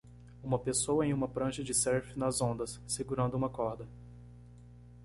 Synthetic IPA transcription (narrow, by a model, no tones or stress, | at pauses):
ũmɐpesowɐẽj̃ũmɐpɾɐ̃ʃɐd͡ʒɪsɛɾfɪnɐzõnd̪ɐsːeɡuɾɐ̃nd̪ʊũmɐkɔɾd̪ɐ